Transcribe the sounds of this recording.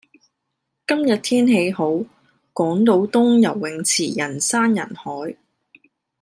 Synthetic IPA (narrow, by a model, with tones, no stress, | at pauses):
kɐ˥mjɐ˨t̚t̪ʰiː˥nɦe˨˧jɦo˨˥w | kɔː˨˥ŋt̪o˨˧˥wt̪ʊ˥ŋjɐ˨˩wːɪ˨ŋt͡sʰiː˨˩jɐ˨˩nsaː˥njɐ̰˨˩nhɔː˨˥j